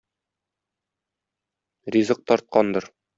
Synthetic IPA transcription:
rʲizɤq̚t̪ɒɾt̪̚qɑnd̪ɤɾ

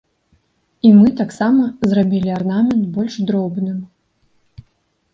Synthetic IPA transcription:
imɨt̪aksamɐzrabʲilʲiarnamʲɛnt̪bɔlʲʂd̪ɾɔbnɨm

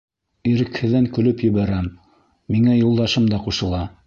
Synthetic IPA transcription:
iɾɘ̆khɘ̆ðːæŋkɵ̆lɵpjɘ̆βæɾæmː | iŋæjulˠd̪ɑʃɤmd̪ɑquʃɤ̆lˠɑ

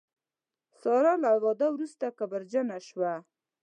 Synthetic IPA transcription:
sɑɾalaawɑd̪awɾust̪akabaɾd͡ʒanaʃwa

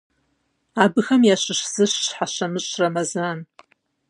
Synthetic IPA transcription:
aːbɨxɐmjaːɕɨɕz̥ɨɕɕħaɕɐmɨɕʼrɐmɐzaːn

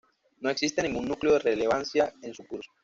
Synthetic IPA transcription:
no̞e̞ksist̪enĩŋɡunːukleo̞ðerele̞βansjae̞nsukuɾso̥

